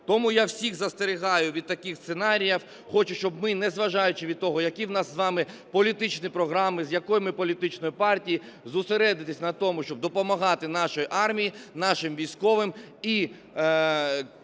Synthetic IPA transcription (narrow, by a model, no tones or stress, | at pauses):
t̪ɔmujawsʲixzɐst̪eɾʲɪɦɑjʊʋʲid̪̚t̪ɐkɪxsenɑɾʲijɐw | xɔt͡ʃʊt͡ʃɔbmɪnɛzʋɐʒɑjʊt͡ʃɪʋʲid̪̚t̪ɔɦɔjɐkiwnɑsːʋɑmɪ | pɔlʲit̪ɪt͡ʃnʲipɾɔɦɾɑmɪzʲjɐkɔjmɪpɔlʲit̪ɪt͡ʃnɔjipɑrtʲiji | zʊseɾɛd̪ɪt̪ɪsʲnɐt̪ɔmʊʃt͡ʃɔb̚d̪ɔpɔmɐɦɑt̪ɪnɑʃɔjiʔɑrmʲijinɑʃɪmʋʲijsʲkɔʋɪm | i